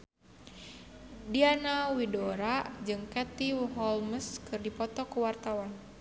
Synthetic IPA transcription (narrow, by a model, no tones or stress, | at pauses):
dianawidoɾad͡ʒɨŋkɛt̪iwɦɔlməskɨrdipɔt̪ɔkuwart̪awan